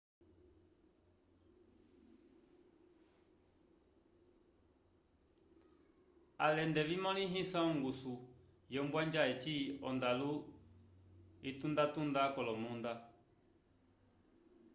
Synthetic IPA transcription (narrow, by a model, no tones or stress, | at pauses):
a̰lɛndɛvimɔ̃lĩɦĩsãɔ̃ŋɡusu | jɔmbwaɲd͡ʒaɛt͡ʃiɔ̰ndalu | itũndatũndakɔlɔmũnda